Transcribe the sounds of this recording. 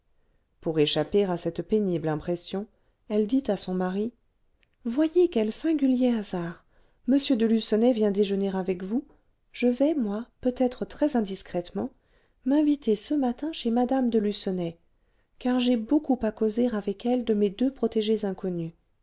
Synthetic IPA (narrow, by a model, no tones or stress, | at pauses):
puʁeʃapeʁasɛt̪peniblɛ̃pχesjɔ̃ | ɛld̪it̪asɔ̃maʁi | vwajekɛlsɛ̃ɡʲyljeazaʁ | məsjød̪əlysɔnɛvjɛ̃d̪eʒəneʁavɛkvu | ʒ̥əvɛmwapøt̪ɛt̪χət̪χɛzɛ̃d̪iskχɛt̪mɑ̃ | mɛ̃vit̪esəmat̪ɛ̃ʃemad̪amd̪əlysɔnɛ | kaʁʒɛbokupakozeʁavɛkɛld̪əmed̪øpχɔt̪eʒezɛ̃kɔny